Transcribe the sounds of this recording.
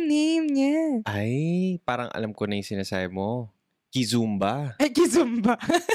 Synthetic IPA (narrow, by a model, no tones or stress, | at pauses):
nemɲaʔajpaːɾɐŋʔɐ̰lamkonɐjʊŋsɪnɐsaːbɪmo | kizumbaɐjkizumba